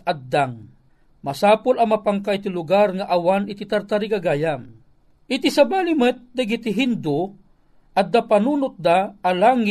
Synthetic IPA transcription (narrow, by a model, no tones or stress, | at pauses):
add̪aŋ | masaːpʊlɐŋmapaŋkajt̪ilʊɡarŋaʔawanit̪it̪aɾt̪aɾikaɡaːjam | ʔɪt̪isabalimət̪̚d̪aɡit̪ɪɦind̪ʊ | ʔad̪apanuːnʊt̪̚d̪aːlaŋɪ